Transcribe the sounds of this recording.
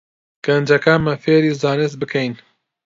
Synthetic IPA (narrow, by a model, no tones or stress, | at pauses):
ɡ̥ɐnd͡ʒɐkaːmɐfeːɾiːzaːnɨs̚bɨkʰɛjn